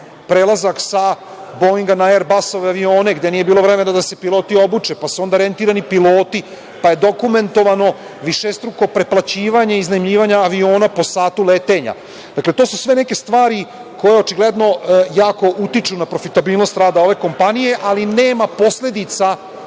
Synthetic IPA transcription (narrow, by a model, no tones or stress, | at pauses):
pɾeːlˠazaksa | boiŋɡanaeɾbaso̞ʋeaʋio̞ːne̞ɡd̪e̞niːjebiːlˠo̞ʋɾeme̞nad̪ase̞pilˠo̞ːt̪io̞but͡ʃe̞pasuo̞nd̪aɾe̞nt̪iːɾanipilˠo̞ːt̪i | paje̞d̪o̞kume̞nt̪o̞ʋano̞ | ʋiʃest̪ɾuko̞pɾe̞plat͡ɕiːʋaɲeiznaimʎiːʋaɲaːʋio̞ːnapo̞saːt̪ulet̪e̞ɲa̰ | d̪akle̞t̪o̞ːsusʋe̞ne̞ke̞st̪ʋaːɾi | ko̞je̞ot͡ʃiɡled̪no̞jaːko̞ʔut̪it͡ʃunapɾo̞fit̪abiːlˠno̞st̪ɾaːd̪ao̞ʋe̞ko̞mpanije̞ʔalineːmapo̞sʎe̞d̪it̪sa